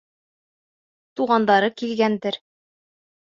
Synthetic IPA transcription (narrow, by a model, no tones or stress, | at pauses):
t̪uʁɑnd̪ɑɾɤkilɡænd̪ɘɾ